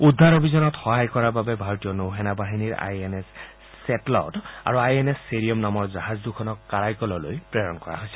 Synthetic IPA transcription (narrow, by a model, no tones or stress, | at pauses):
ud̪ʱːaɹobʱizɔnɔtxɔɦajkɔɹababɛbʱaɹotijɔnowɦɛnabaɦiniɹa̰jenesː | ɛtlɔ̰ta̰ɹuajenɛsːeɹiɔmnamɔɹzaɦazdukʰɔnɔkːaɹajkɔlɔlo̰jpɹeɹɔnkɔɹa̰ɦojsɛ